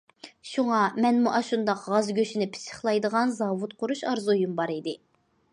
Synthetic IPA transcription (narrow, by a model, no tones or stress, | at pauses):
ʃuŋɑmɛnmuʔɑʃund̪ɑqʁɑzɡʲøʃinɪpʰɪ̥sə̥χlˠɑjd̪əʁɑnzɑvut̪̚qʰʊɾuʃɑɾzujumbɑɾid̪ɪ